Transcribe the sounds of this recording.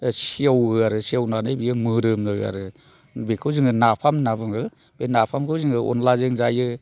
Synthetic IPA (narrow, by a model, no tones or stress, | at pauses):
siawɯaɾɯsiawnanɯbijɯmɯɾɯmnɯa̰ɾɯ | bekʰɯwzɯŋɯnapʰamnabɯŋɯ | b̥enapʰamkʰɯwziŋɯɔ̰nlazeŋzajɯ